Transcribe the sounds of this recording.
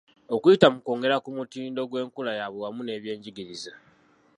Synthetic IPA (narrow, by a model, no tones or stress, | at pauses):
o̞kuitamuko̞ːŋɡe̞ɾakumutiːndo̞ɡwe̞ːŋkulajaβowamune̞ːβje̞ːɲɟiɡiɾiza